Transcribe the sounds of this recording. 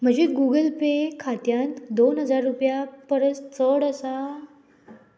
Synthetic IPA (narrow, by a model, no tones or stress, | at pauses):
m̤əd͡ʑeɡuɡəlpekʰat̪jãnt̪d̪onɦəd͡zaɾːupjapəɾəst͡səɽəsa